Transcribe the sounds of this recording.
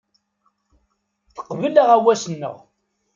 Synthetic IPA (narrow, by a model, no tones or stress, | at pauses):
θə̥qːvəlaʁæwæsənːə̰ʁ